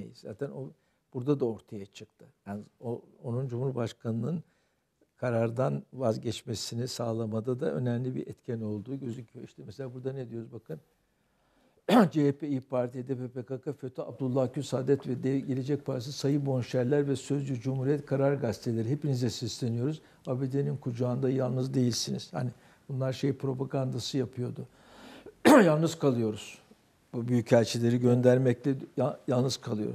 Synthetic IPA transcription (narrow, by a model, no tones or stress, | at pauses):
ejḭzza̰ːt̪ʰæno | b̥uɾd̪ad̪ao̞ɾt̪ʰajat͡ʃʰɯk̚t̪ʰɯjaːnoonund͡ʒumuɾbaʃkʰanɯnɯn | kʰaɾaɾd̪anvazɟɛt͡ʃmesinisaːlˠamad̪ad̪aʔø̞̰nɛmlʲibḭɾɛt̪cʰɛno̞lˠd̪uːɟø̞zymcʰyiʃt̪ɛmɛseaːbuɾd̪aned̪ijo̞ɾuzbakʰɯn | d͡ʒeepʰeipʰaɾt̪ʰijd̪epepekakʰaføt̪ʰya̰b̚d̪ulˠːacʰysaːd̪ɛt̪vɛd̪ɛɟelʲe̞d͡ʒɛc̚pʰaɾt̪ʰissajɯbo̞nʃæɾlʲæɾvɛsøzd͡ʒyd͡ʒumhuɾijɛt̪kʰaɾaɾɡast̪ʰe̞lʲeɾiɦepinizɛsislʲe̞nijo̞ɾuz̥ | abed̪e̞ninkʰud͡ʒaːnd̪ajalˠnɯzd̪e̞jilʲsiniz̥ha̰ni | bunlˠaɾʃe̞jpɾo̞paɡand̪asɯjapʰɯjo̞d̪ʊ | jalˠnɯzkʰalˠɯjo̞ɾuz̥ | bubyjycælʲt͡ʃʰilʲe̞ɾiɟø̞nd̪æɾmɛclʲɛjalˠnɯzkʰalˠɯjo̞̰ɾuz̥